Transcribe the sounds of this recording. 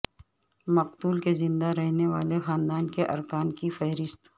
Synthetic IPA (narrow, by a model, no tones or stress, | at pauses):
mɐqt̪uːlkezɪ̃nd̪aɾɛɦneʋa̰ːlexaːnd̪aːnkeʔɐ̰ɾkaːnkifɐɦɾɪst̪